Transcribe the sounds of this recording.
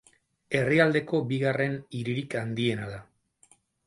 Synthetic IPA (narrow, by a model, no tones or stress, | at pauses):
e̞riald̪e̞ko̞biɣare̞niɾiɾikand̪ie̞naða